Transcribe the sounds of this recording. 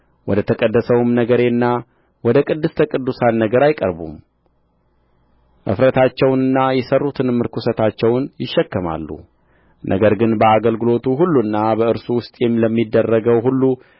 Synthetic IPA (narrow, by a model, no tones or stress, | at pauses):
wɔd̪ət̪ʰəkʼəd̪ːəsəwmnəɡəɾe̞ɨnːa | wɔd̪əkʼɨd̪ːɨst̪ʰəkʼɨd̪ːusanːəɡəɾajkʼə̰ɾbṵm | ʔɨ̰fɾət̪ʰat͡ʃːɛwnɨnːajɛsərːut̪ʰɨnmːɨɾkʰusət̪ʰat͡ʃːɛwnjɪʃːɛkːəma̰lːṵ | nʔə̰ɡəɾɡɨnbəaɡəlɡɨlo̞t̪ʰuɦulːunːabəɨɾsuwʊst̪ʼjɛmːləmːid̪ːərːəɡəwɦulːu